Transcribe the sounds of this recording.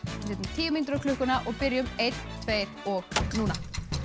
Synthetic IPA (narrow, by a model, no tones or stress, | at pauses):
sɛt̪nt̪ʰiːjʏmint̪ɾʏkʰlʏhkʏnaʔɔɣpɪɾjʏmejt̪nt̪ʰːveːjɾɔɣnuːna